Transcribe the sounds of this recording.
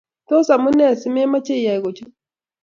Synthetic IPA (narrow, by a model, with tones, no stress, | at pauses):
to˦sa˨mu˦nɛ˦˨si˦me˦ma˦t͡ʃe˦˨ja˨i˨ɣo˨t͡ʃu˦